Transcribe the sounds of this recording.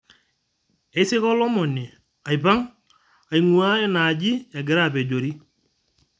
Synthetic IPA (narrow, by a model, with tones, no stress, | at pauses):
ɛ˨˦sɪ˦kɔ˦lɔ˦mɔ˨ni˨ | a˨jpa˦ŋ | a˨i˨ŋu˨a˦ɛ˦na˨d͡ʒɪ˦ɛ˨ɡɪ˨ɾa˦˨pɛ˨d͡ʒo˨ɾi˦